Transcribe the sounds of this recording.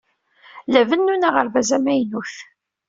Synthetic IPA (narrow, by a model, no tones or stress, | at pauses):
lævənːunaʁəɾvæzæmæjnuθ